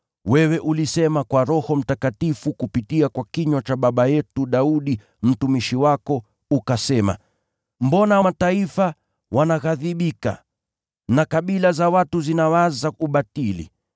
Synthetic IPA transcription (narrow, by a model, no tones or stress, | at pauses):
wɛwɛʔulisɛmakwaɾɔhɔm̩takatifukupitiakwakiɲwat͡ʃaɓaɓajɛtuɗauɗi | m̩tumiʃiwakɔ | ukasɛma̰ | m̩bɔnamataifa | wʔanaɣaðiɓika̰ | nakaɓilazawatuzinawazauɓatilḭ